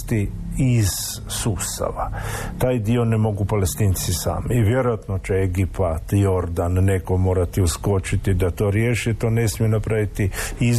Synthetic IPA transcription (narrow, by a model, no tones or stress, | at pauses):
t̪i | iz̥ | suːst̪a̰ʋat̪aːjd̪io̞nemo̞ɡupalest̪iːnt̪sisa̰ːmiːʋje̞ɾojat̪no̞t͡ʃeeɡipat̪jo̞ɾd̪anːe̞ko̞mo̞ːɾat̪iusko̞t͡ʃit̪id̪at̪o̞ːɾje̞ːʃit̪o̞ne̞smienapɾaʋit̪iiz